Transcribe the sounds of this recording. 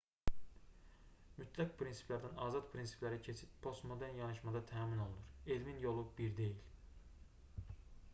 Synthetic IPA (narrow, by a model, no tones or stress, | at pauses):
myt̪ʰlækpʰɾinsi̥pʰlæɾd̪ænɑːzɑt̪pʰɾinsi̥pʰlæɾicʰe̞t͡ʃʰit̪pʰo̞st̪mo̞d̪æɾnjɑnɯʃmɑd̪ɑt̪ʰæːmino̞lˠunuɾelminjo̞lˠubiɾd̪e̞jil